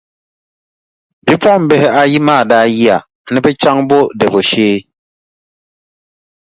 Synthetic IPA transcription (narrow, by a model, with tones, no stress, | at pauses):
bi˨˦pwa˦˨m̩˨˦bɛ˨hɛ˦a˨ji˦maː˦˨da˦ji˦a˨ | nɛ˦pɛ˦t͡ʃa˦ŋbo˦dɛ˨bɔ˨ʃeː˦